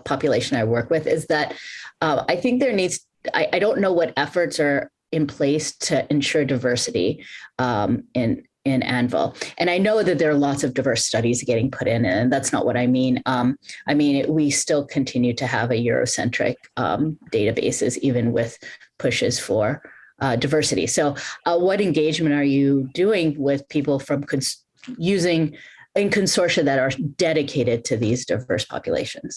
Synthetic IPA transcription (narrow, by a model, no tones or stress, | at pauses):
pʰɑpjɨleɪʃɨ̃naɪwɜ˞kwɪðɪzðɨɾʌ̃aɪθɪ̃ŋk̚ðə˞nidz̥ | a̰ɪʔaɪɾõʊ̃nːoʊwʌɾɛfə˞tsə˞ | ɨ̃npʰl̥eɪstʰɨʔɨ̃nʃʊɹdaɪvɜ˞sɨɾḭʌ̃mɪ̃n | ɪ̃næ̰̃nv̰l̩ˠʔɨ̃ɾ̃aɪnoʊðɨt̪̚ðə˞əlɔtsʌvdaɪvɜ˞stʌɾizɡɛɾɪ̃ŋpʰʊɾɪ̃nɨ̃nðætsnə̰ʔ̚wʌɾaɪmĩnʌ̃mʔaɪmĩnɪʔwistɪlˠkʰɨ̃ntʰɪ̃njʉɾɨəvɨjʊ̰ɹo̰ʊsɛ̰̃nt͡ʃɹ̥ɪ̰k̚ʌ̰̃d̥eɪɾɨbḛɪsɨ̰sivɨ̃nwɪð̥pʰʊʃɨz̥fə˞daɪvɜ˞sɨɾḭsoʊʔwʌɾɨ̃nɡeɪd͡ʒmɨ̃ntə˞jɨdʉɪ̃ŋwɪð̥pʰipl̩ˠfɹʌ̃mkʰɨ̃ns | jʉzɪ̃ŋɨ̃nkʰɨ̃nsɔɹʃɨðɨɾə˞d̥ɛɾɨkʰeɪɾɨd̚tʰɨðizdaɪvɜ̰˞spʰɑ̰pjɨ̰lḛɪʃɨ̃nz̥